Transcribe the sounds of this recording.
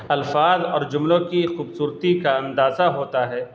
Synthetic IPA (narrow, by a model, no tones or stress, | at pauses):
ɐlfaːzɔːɾd͡ʒʊmlõkixuːbsuːɾt̪ikaɐ̃nd̪aːzaɦoːt̪aɦɛː